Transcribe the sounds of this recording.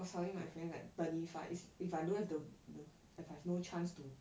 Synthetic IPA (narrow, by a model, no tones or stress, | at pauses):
sɔɹĩmaɪfɹɛ̃na̰tb̥atifa̰ʔififaɪduɛsdədə | ɛfavnot͡ʃʰãnstu